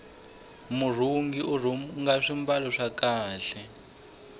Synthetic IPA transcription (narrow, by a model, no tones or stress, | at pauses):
mur̤uŋɡiʔuruŋɡaʂimbalɔʂakaːɬɛ